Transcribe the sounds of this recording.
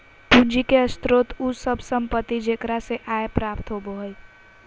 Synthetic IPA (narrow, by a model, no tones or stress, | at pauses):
pund͡ʒikeəst̪ɾot̪usəbʱsəmpət̪ːid͡ʒekɾaseʔaepɾapt̪ɦoboɦəj